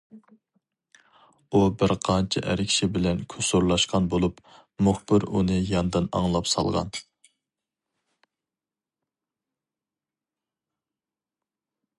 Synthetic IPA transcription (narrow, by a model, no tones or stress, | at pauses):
ubɪɾqʰɑnt͡ʃʰɛ̰ʔæ̰ɾɪkʰʲʃɪbɪlɛnkʲʰøsoɾlˠɑʃqʰɑnbolˠup | muχbɪɾṵnɨjɑnd̪ɨnɑ̰ŋlˠɑpsɑ̰lˠʁɑ̰n